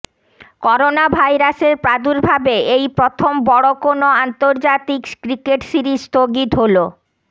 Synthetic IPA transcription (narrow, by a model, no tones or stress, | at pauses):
kɔɾonabʱajɾaseɾpɾad̪uɾbʱabeejpɾot̪ʰombɔɽokonoant̪oɾd͡ʑat̪ikkɾikeʈsiɾist̪oɡit̪ɦolo